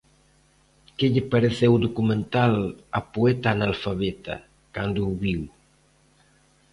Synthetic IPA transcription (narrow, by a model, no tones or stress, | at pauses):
keʎɪpaɾeθɛwd̪okumẽnt̪alapuɛt̪analfaβɛt̪a̰ | kand̪uːβiw